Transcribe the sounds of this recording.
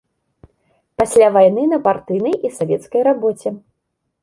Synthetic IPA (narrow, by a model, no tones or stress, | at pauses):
pasʲlʲavajnɨnɐpart̪ɨjnɐjisavʲɛt̪skɐjɾabɔt͡sʲɛ